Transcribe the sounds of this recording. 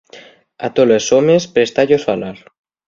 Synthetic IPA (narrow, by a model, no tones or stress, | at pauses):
a̰t̪olesomespɾest̪aʎosalaɾ